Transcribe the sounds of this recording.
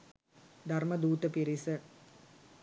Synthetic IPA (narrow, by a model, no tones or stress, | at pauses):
d̪ʱarmɐd̪uːt̪əpiɾisə